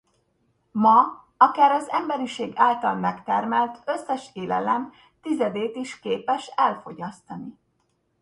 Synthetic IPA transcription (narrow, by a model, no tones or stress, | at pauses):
mɒ | ɒkaːɾɒzɛmbɛɾiʃeːɡaːlt̪ɒlmɛkt̪ɛrmɛlt̪ʰøsːɛʃeːlɛ̰lɛm | t̪izɛd̪eːt̪iʃkeːpɛʃɛlfo̞ɟɒst̪ɒni